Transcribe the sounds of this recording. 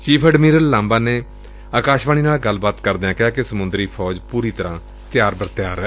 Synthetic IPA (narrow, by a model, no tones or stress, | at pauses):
t͡ʃiːpʰɛɖmiːɾəlːãːmbaːneː | aːkaːʃʋaːñiːnaːlɡəlːbaːt̪kəɾd̪eãːkɪaːkesəmʊnd̪ɾiːpʰɔːd͡ʒpuːɾiːt̪əɾãː | t̪ɪjaːɾbəɾt̪ɪjaːɾɛː